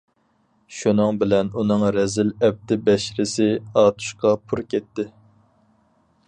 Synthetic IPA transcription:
ʃunɨŋbɪlɛnunɨŋɾɛzɪlɛp̚t̪ɪbɛʃɾɪsɪɑːt̪ʰu̥ʃqɑpʰuɾkʲʰɛt̪ːɪ

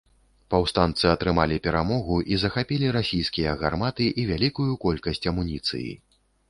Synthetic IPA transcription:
pawst̪ant̪sɨɐt̪ɾɨmalʲipʲɛɾamɔɣuʔizɐxapʲilʲiɾasʲijskʲijɐɣarmat̪ɨʔivʲalʲikujukɔlʲkɐsʲt͡sʲɐmunʲit̪sɨ̰jḭ

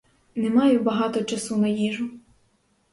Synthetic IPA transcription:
nemɑjʊbɐɦɑt̪ɔt͡ʃɐsunɐjiʒʊ

